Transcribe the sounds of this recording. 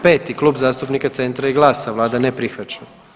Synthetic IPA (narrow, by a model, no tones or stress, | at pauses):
peːt̪iklˠuːbzaːst̪upnikat̪se̞nt̪ɾajiɡlˠaːsaʋlˠaːd̪anepɾixʋat͡ʃa